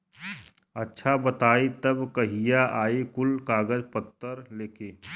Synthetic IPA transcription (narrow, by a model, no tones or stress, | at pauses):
ɐtːʃʰabɐt̪aːit̪ɐbkɐɦijaʔaːikʊlkaːɡəd͡ʒpət̪ːəɾleːkeː